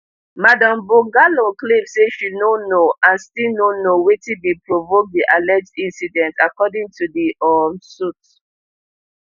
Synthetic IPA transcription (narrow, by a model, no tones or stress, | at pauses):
madãmboɡaloklev̥seʃunonoãnstilnonowetibipɹovok̚diʔalɛd͡ʒdĩnsidɛ̃ntʰakɔdĩŋtʰudiʔɔmsut